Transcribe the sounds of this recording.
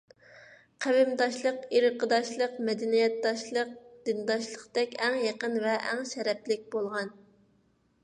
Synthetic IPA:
qʰæwɪmd̪ɑʃlˠəqiɾɨqʰəd̪ɑʃlˠəqmɛd̪ɛnijɛt̪̚d̪ɑʃlˠəq̚d̪̥ɨnd̪ɑʃlˠəqt̪ɛkʲɛŋjɑqənvɛʔɛ̰ŋʃɛɾɛplɪk̚ʲbolˠʁɑn

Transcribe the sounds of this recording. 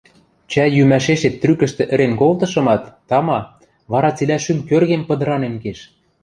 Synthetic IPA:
t͡ɕæjymæʃeʃet̪ːrykə̆ʃt̪ĕʔɘ̆ɾenkolt̪ɤ̆ʃɤ̆mɑt̪ːɑmɑ | βɑɾɑt͡selʲæʃymkørɣempɤ̆d̪ɤ̆ɾɑnenkeʃ

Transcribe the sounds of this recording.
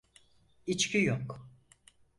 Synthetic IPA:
it͡ʃcʰijok

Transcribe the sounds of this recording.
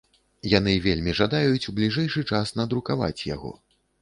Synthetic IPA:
janɨvʲelʲmʲiʐad̪ajut͡sʲublʲiʐɛjʂɨt͡ʂasnɐd̪ɾukava̰t͡sʲja̰ɣɔ̰

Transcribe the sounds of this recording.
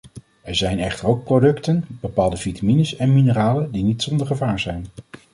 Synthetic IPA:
ɛɹzɛjnɛχtəɹowk̚prodɵktənb̥əpaːlˠdəvitaminəsɛnminəraːləndinitsɔndəɹχəvaːɹzɛjn

